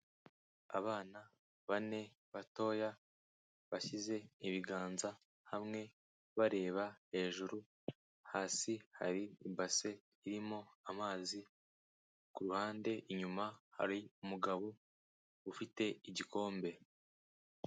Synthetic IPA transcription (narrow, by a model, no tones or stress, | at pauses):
a̰βaːna | βane̞ | βato̞ːja | βaçize̞iβiɡaːnza | hamŋe̞ | βaɾe̞ːβahe̞ːʒuɾu | haːsiha̰ɾiːbase̞ | iɾimo̞amaːzi | kuɾuhaːnde̞iɲumaha̰ɾiumuɡaβo | ufite̞iɟiko̞ːmbe̞